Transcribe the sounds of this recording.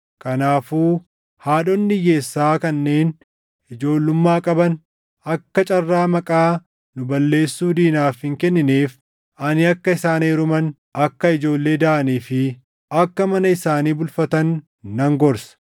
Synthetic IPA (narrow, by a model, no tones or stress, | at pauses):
kɐnaːfuː | haːɗɔnːɪje̞ːsːaːkɐnːe̞ːn | ʔɪd͡ʒo̞ːlːʊmːaːkʼɐbɐn | ɐkːɐt͡ʃʼɐrːaːmɐkʼaː | nʊbɐlːe̞ːsːuːd̪iːnaːfhɪŋkɛnːɪneːf | ʔɐnɪɐkːɐɪsaːneːɾʊmɐn | ɐkːɐɪd͡ʒo̞ːlːe̞ːd̪ɐʔɐniːfɪ | ɐkːɐmɐnɐɪsaːniːbʊlfɐt̪ɐnː | ɐŋɡɔɾsɐ̥